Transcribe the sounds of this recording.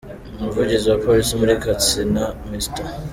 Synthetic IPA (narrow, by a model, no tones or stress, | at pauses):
umuvuɟiziwapo̞lisimuɾikat͡sinamista